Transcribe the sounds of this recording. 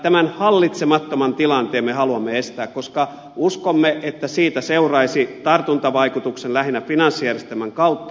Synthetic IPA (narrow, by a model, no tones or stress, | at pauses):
t̪æmænhɑlːit̪semɑt̪ːomɑnt̪ilɑnt̪eːmmehɑluɑmːeest̪æːkkoskɑ | uskomːeʔet̪ːæsiːt̪æseurɑisit̪ɑrt̪unt̪ɑʋɑikut̪uksenlæhinːæfinɑnsːijærjest̪emæŋkɑut̪ːɑ